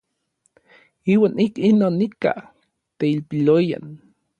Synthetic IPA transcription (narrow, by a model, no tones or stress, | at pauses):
iːwaːnikinoːnːika̰ | t̪eilpiloja̰n